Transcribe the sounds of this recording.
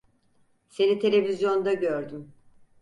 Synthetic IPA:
se̞nit̪ʰe̞lʲe̞vizjo̞nd̪aɟøɾd̪ym

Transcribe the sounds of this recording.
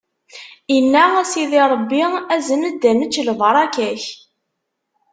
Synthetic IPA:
inːaæsiðiɾˤəbːiæzənəd̪ːænət͡ʃːləvɾˤɑkæç

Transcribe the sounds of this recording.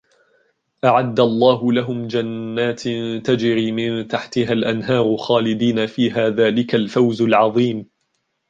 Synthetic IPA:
ʔaʕad̪ːalˤːɑːɦʊlaɦʊmd͡ʒanːaːt̪t̪ad͡ʒɾiːmɪnt̪aħt̪ɪɦalʔanɦɑːɾˤxaːlɪd̪iːnafiːɦaːðaːlɪkalfawzalʕɑðˤiːm

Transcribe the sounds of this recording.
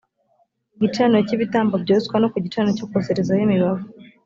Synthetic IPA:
ɟit͡ʃanociβitaːmbobɟoskwanokuɟit͡ʃanocokukozeɾezajemiβavo

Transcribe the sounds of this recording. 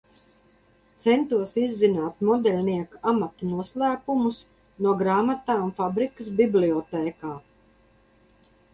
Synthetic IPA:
t̪sɛnt̪uɔsizːinaːt̪mɔd̪ɛlʲniɛkamat̪unuɔslˠæːpumus | nuɔɡɾaːmat̪aːnfabɾikəs̬bibliɔt̪ɛːkaː

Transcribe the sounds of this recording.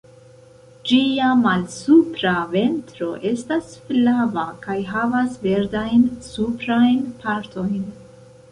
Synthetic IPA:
d͡ʒiamalsupɾave̞ntɾo̞ʔe̞stasflavakajɦavasve̞ɾdajnsupɾajnpaɾtʰo̞jn

